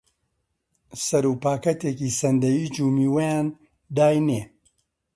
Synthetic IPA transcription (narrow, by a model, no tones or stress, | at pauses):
sɐɾuːpaːkɐt̪eːkiːsɐnd̪ɐjiːd͡ʒuːmiːwɐjaːn | d̪aːjneː